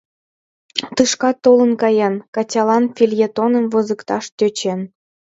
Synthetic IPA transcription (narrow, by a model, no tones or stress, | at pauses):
t̪ɯʂkɑt̪ːolˠɤ̆nkɑjɑnkɑt͡ɕʲɑlˠɑnfʲilʲjet̪onɤ̆mvɤ̆zɯ̆kt̪ɑʂt̪ʲøt͡ɕen